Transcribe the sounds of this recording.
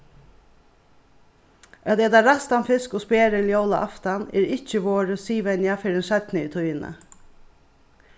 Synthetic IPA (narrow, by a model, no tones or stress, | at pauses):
œt̪ɛːd̪aɾast̪anfɪskɔspeːɾəljowla̰ʔaft̪anɛ̰ːɾɪt͡ʃəʋoːɾəsiːʋɛnjafɪɾɛnʃɛt̪nəit̪ʰujənə̰